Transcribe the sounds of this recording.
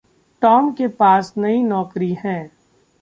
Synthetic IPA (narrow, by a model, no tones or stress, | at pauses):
ʈɔːmkepaːsnɐinɔːkɾihɛ̃ː